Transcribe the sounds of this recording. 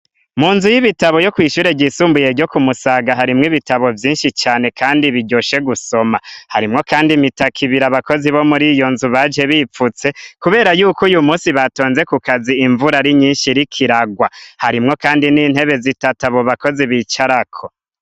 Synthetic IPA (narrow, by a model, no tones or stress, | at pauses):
muːnzujiβitaβo̞jo̞kwiːʃuːɾe̞ɟisuːmbuje̞ɾɟo̞kumusaɡaɦaɾimŋiβitaβo̞vjiːnʃit͡ʃaːne̞kʰaːndiβiɟoʃe̞ɡuso̞mahaɾimŋo̞kaːndimitakʰiβiɾaβako̞ziβo̞muɾijo̞nzuβad͡ʒe̞βiːp͡fut͡se̞kuβe̞ːɾajuːkojumuːsiβato̞ːnze̞kukaziiɱvuɾaɾiɲiːnʃiɾikʰiɾaɡwahaɾimŋo̞kaːndiniːn̥he̞βe̞zitataβoβako̞ziβiːt͡ʃaɾakʰo